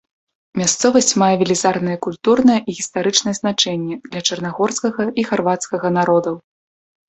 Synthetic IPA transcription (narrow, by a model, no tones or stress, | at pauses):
mʲast̪sɔvɐsʲt͡sʲmajɛvʲɛlʲizarnɐjɛkulʲt̪urnɐjɛʔiɣʲist̪aɾɨt͡ʂnɐjɛznat͡ʂɛnʲːɛd̪lʲɐt͡ʂɐrnaɣɔrskɐɣɐiɣarvat̪skɐɣɐnaɾɔd̪ɐw